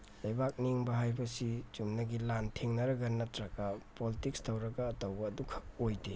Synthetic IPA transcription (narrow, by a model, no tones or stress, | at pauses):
lɐjbak̚niŋbɐɦajbɐsit͡ʃumnɐɡilantʰeŋnɐɾɐɡɐnɐtɾɐkɐpolitik̚stʰawɾɐɡɐːtɐwbɐːdukʰɐojde